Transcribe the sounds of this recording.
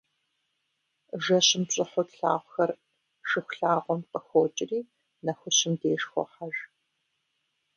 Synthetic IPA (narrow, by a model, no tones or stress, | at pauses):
ʒɐɕɪmpɕʼɪħʊtɬa̰ːʁʷxɐr | ʃɨxʷʊɬaːʁʷɔmqəxʷoːt͡ʃʼɪriː | nɐxʷʊɕɪmdeːʂxʷɔ̰ħaʒ